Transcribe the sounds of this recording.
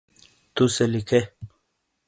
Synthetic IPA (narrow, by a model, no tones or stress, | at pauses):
t̪uselikʰe